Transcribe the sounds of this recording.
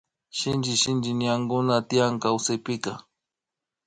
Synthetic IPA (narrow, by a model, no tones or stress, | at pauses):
ʃɪnd͡ʒɪʃɪnd͡ʒɪnɪjaŋɡʊnat̪ɪjaŋkawsajpɪka